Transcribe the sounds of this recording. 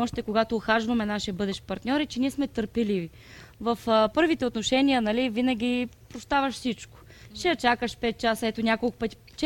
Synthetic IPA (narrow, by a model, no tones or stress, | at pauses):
ɔʃt̪ɛkoɡat̪oːxaʒvɐmɛnaʃiɛbɤd̪ɛʃpɐɾt̪nʲɔɾɛt͡ʃɛniɛsmɛt̪əɾpɛlivi | vɐfpɤɾvit̪ɛot̪noʃɛniənɐlivinɐɡ̟ʲipɾost̪avɐʃsit͡ʃko̥ | ʃɛjɐt͡ʃakəʃpɛt̪̚t͡ʃasəɛt̪onʲakolˠkʊ̥pət̪i̥ | t͡ʃɛ